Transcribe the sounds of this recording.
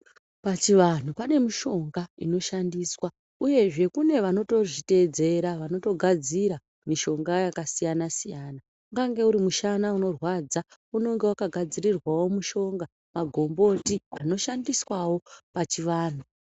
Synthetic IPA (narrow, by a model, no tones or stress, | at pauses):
pat͡ʃiʋan̤upane̞miʃo̞ŋɡaino̞ʃandiːswa | uje̞ʐe̞kune̞ʋano̞to̞ʐite̞d͡ze̞ɾaʋano̞to̞ɡʱad͡ziɾa | miʃo̞ŋɡajakasijanasijaːna | ŋɡaŋɡe̞uɾimuʃanauno̞rwad͡zauno̞ŋɡe̞wakaɡʱad͡ziɾirwawo̞muʃo̞ŋɡa | maɡʱo̞mbo̞tiano̞ʃandiswawo̞pat͡ʃiʋaːn̤u